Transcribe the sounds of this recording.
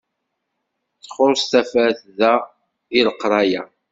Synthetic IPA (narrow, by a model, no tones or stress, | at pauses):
t͡sːχʊɾst̪æfæɾθðæ | iləqːɾˤɑjæ